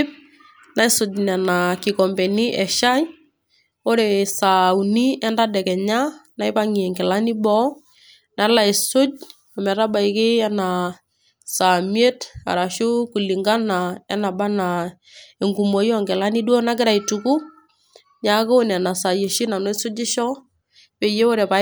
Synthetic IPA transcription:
p̚ | na˦ɪ˦sʊ˨dnɛ˨na˨kɪ˨kɔ˨mbe˨ni˦ʔɛ˨ʃa˦j | o˦ɾe˨sa˨u˨ni˦ɛ˦nda˦dɛ˨kɛ˨ɲa˦na˦ɪ˦pa˦ŋi˨ɛ˨ŋɡɪ˨la˦ni˦bɔ˦ | na˨˦la˨ɪ˨sʊ˦d͡ʒ | ɔ˨mɛ˨ɾa˦ba˨ɪkɪ˦ɛ˦na˨ | sa˨mje˦ta̰˨ɾa˨ʃu˦ku˨li˨ŋɡa˦na˨ɛ˦na˨ba˦na˨ | e˨ŋɡu˨mo˨˦jɔ˦ŋɡɪ˨la˦ni˦du˦o˦na˦kɪ˦ɾa˨i˨tuku˦ | ɲa˨˦ko˦n˨a˨na˨sa˨je˨ʃi˦na˨no˦sʊ˦d͡ʒɪ˦ʃɔ˦ | pe˨je˦o˦ɾe˨pa˨

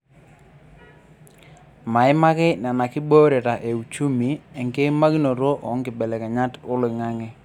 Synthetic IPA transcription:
ma˨ɪ˦ma˦kɪ˦na˨na˨kɪ˦bo˦ɾe˨ta˨ʔe˨u˨t͡ʃu˦mi˨ɛ˨ŋke˦ma˦ki˦no˨ɾo˦ʔɔ˨˦ŋkɪ˨bɛ˨lɛ˨kɛ˨ɲa˦tʊ˦lɪ˨ŋa˦ŋɛ˦

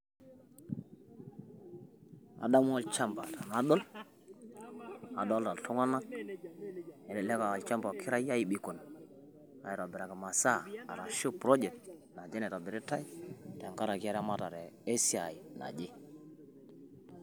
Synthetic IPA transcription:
a̰˨da˦m˦a˦lt͡ʃa˦mba̰˨ta˨na˦ɗɔ˦l | a˨dɔ˦lta˨tʰu˦ŋa˦na˦k | e˨nɛ˨lɛ˦ka˨a˨lt͡ʃa˦mba˨kʰi˦ɾa˦ja˦ji˨ɓi˨ko˨n | a̰˨ji˨ɾa˨bi˨ɾa˨ka˨ma˨sa˦˨a̰˨ɾa˨ʃo˦pɾo˦d͡ʒɛ˨k̚tna˨d͡ʒe˦nɛ˨ɾa˨be˨ɾi˦ta˦ji˦ta˨ŋka˦ɾa˨ki˦a˦ɾa˦ma˦ta˨ɾɛ˨e˦si˦a˨i˨na̰˨d͡ʒe˦

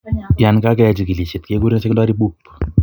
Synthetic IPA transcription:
ja˨nka˦kɛt͡ʃi˨ki˨li˨ʃi˨t̚ke˦ku˦ɾi˦nse˦knda˦ɾi˦bu˦p

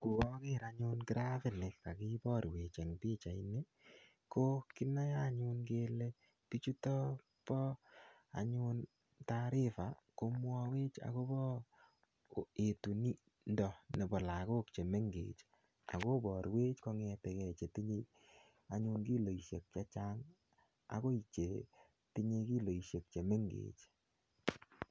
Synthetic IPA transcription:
ku˨kɔ˦kɪ˦ɾa˧ɲʊ˦nkɪ˦ɾa˦fɪ˦nɪ˨ka˨ki˦bɔ˦ɾwe˨t͡ʃe˨ŋpi˦t͡ʃa˨i˦ne˦ | ko˦ki˦na˦ja˦ɲʊ˦nke˦le˦ | pi˦t͡ʃu˦tɔ˦ | pɔ˦a̰˨ɲʊ˧n | ta˦ɾɪ˦fa˨ko˧mwɔ˦we˦t͡ʃa̰˨ko˦bɔ˦ | e˨tu˨ni˦ | ndɔ˨ne˨bɔ˨la˨ko˦kt͡ʃe˨me˦ŋɡḛː˨t͡ʃ | a̰˨ko˦bɔ˨ɾwe˦t͡ʃkɔ˧ŋɛ˧te˨kɛ˨t͡ʃe˨ti˦ɲe˦ | a˨ɲʊ˦nki˦lo˨i˨ʃe˨k̚t͡ʃa˦t͡ʃa˦ŋ | a̰˨ko˦i˨t͡ʃe˨ | ti˦ɲe˧ki˦lo˨i˨ʃe˨k̚t͡ʃe˨me˦ŋɡḛː˨t͡ʃ

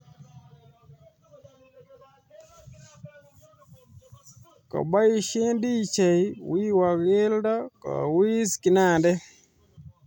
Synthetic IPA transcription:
ka̰˨ba˦jiʃe˦ndi˦t͡ʃa˨jwi˦wa˨ɣe˦lda˦ka̰˨wi˦ski˨na˨ndɛ˦

